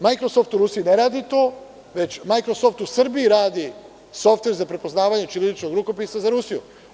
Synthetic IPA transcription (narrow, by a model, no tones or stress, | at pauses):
majkɾo̞soft̪uɾusijineɾaːd̪it̪oː | ʋe̞t͡ɕmajkɾosoft̪usrbiiɾaːd̪i | so̞ft̪ʋe̞ɾzapɾe̞po̞znaːʋaɲet͡ʃiled̪it͡ʃnoɡɾuko̞pisazaɾusijṵ